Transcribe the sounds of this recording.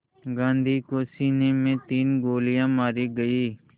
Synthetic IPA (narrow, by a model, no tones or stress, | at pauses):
ɡãːnd̪ʱiːkoːsiːneːmẽt̪iːnɡoːlɪjãːmaːɾiɡəiː